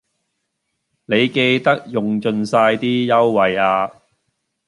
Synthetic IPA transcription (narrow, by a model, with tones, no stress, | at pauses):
ne˨˧jke˧jt̪ɐ˥k̚jʊ˨ŋt͡ʃɵ˧nsaː˧jt̪iː˥jɐ˥wːɐ˨jaː˧